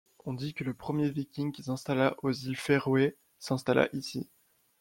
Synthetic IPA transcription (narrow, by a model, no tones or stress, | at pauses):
ɔ̃d̪ikələpχəmjevikʲiŋkʲisɛ̃st̪alaʔozilfeʁwe | sɛ̃st̪ala̰ʔisḭ